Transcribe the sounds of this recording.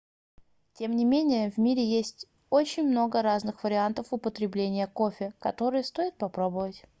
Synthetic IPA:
tʲe̞mnʲɪmʲenʲɪjəvmʲiɾʲɪjesʲtʲ | ot͡ɕɪnʲmno̞ɡəɾaznɨxvəɾʲɪant̪əfʊpət̪ɾʲɪblʲenʲɪjəkofʲɪkɐt̪o̞ɾɨjəst̪o̞jɪt̪̚pɐpɾo̞bəvətʲ

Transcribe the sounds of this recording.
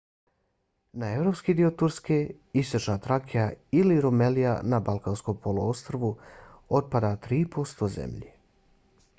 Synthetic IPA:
nae̞vɾo̞pskid̪io̞t̪uɾske | ist̪ot͡ʃnat̪ɾakʰijailiɾomelija̰nabalˠkanskompʰolˠoost̪ɾoʋu | ot̪̚pad̪at̪ɾiːpʰo̞st̪ozḛmʎi

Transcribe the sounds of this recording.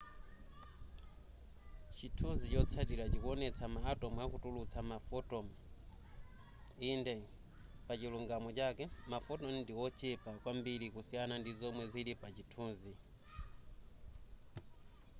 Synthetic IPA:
t͡ʃitʰunzit͡ʃɔt͡sʰatiɾat͡ʃikuɔnɛt͡sʰamaːtɔmuakutulut͡sʰamafɔtɔm | indɛ | pat͡ʃiluŋɡamɔt͡ʃakɛmafɔtɔmndiwɔt͡ʃʰɛpakwambilikusijanandizɔmwɛzilipat͡ʃitʰuːnzi

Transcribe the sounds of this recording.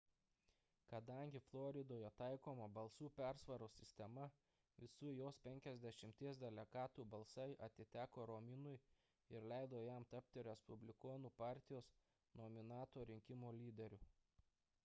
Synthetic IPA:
kɐd̪ɐˑŋʲɡʲɪflˠɔɾʲɪd̪oːjɛt̪ɑˑɪkoːmɐbɐlˠsuːpʲæɾsʋɐɾoːsʲɪsʲt̪ʲɛmɐ | ʋʲɪsuːjoːspʲɛŋʲkʲɛzʲd̪ʲɛʃʲɪmʲt̪ʲiɛs̬d̪ʲɛlʲɛɡɑːt̪uːbɐlˠsɐɪʔɐt̪ʲɪt̪ʲæːkoːɾɔmʲɪnʊɪ | ɪɾlʲæˑɪd̪oːjæmt̪ɐp̚ʲt̪ʲɪɾʲɛspʊbʲlʲɪkoːnuːpɑːˑɾʲt̪ʲɪjoːs | nomʲɪnɑːt̪oːɾʲɪŋʲkʲɪmoːlʲiːd̪ʲɛɾʲʊ

